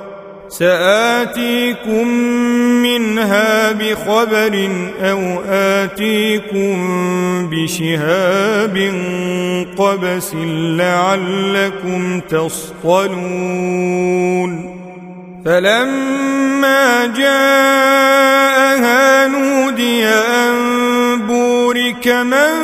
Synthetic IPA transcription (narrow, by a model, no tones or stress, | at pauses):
saʔaːt̪iːkʊmː | ɪnɦaːbɪxɑbaɾɪnʔawʔaːt̪iːkʊmmbɪʃɪhaːbɪnqɑbasɪnlaʕalːakʊmt̪ɑs | t̪ˤɑluː | n | falamː | aːd͡ʒaː | ʔahaːnuːd̪ɪjaʔan | buːɾɪkama